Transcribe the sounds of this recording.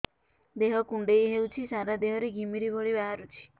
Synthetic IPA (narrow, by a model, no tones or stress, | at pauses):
d̪eɦɔkuɳɖejɦewt͡ʃʰisaɾad̪eɦɔɾeɡʱimiɾibʱɔɽibaɦaɾut͡ʃʰi̥